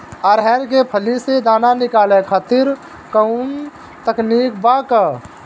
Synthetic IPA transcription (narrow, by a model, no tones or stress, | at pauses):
əɾɦɛːnkepʰəlised̪aːnanɪkaːlekʰaːt̪ɪɾ | kəʊn | t̪əkniːkbakə